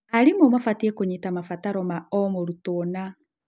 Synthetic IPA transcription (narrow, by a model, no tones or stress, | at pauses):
aɾimomafatiekoɲitamafataɾɔmaɔmoɾutona